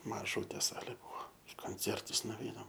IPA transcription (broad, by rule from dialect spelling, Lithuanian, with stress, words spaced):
mɐˈʒuːtʲeː ˈsɑːlʲeː ˈbuɔ ɪ koːnʲˈt͡sʲɛrtʊs nʊʋʲˈɛɪnɐm